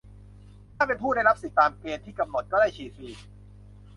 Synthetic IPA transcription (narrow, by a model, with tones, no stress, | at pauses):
t̪ʰaː˥˩pe˧npʰuː˥˩da˥˩jɾa˦˥p̚si˨˩˦t̪aː˧mkeː˧nt̪ʰiː˥˩ka˧mno˨˩t̪̚kɔ˥˩daː˥˩jt͡ɕʰiː˨˩siː˧